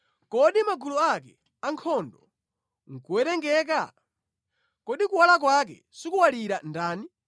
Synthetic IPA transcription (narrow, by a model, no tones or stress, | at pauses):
kɔɗimaɡulɔakɛ̰ | aŋkʰɔndɔ | ŋ̩kuwɛɾɛŋɡɛːk̬a | kɔɗikuwalak̬wak̬ɛ̰ | sikuwaliɾandaːni